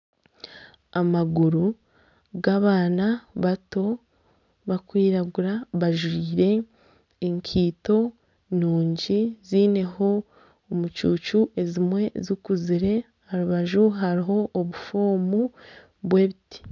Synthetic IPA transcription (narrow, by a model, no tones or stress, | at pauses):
amaɡuɾu | ɡaβaːnaβato̞ | βakwiːɾaɡuɾaβaʒwiːɾe̞ː | ŋkʰiːto̞ | nuːɲɟiziːne̞ho̞ | omut͡ʃuːt͡ʃuʔe̞zimwe̞zukuziɾe̞ | haɾuβaʒuɦaɾiɦo̞ʔːβufoːmu | bwe̞ːβitʰi̥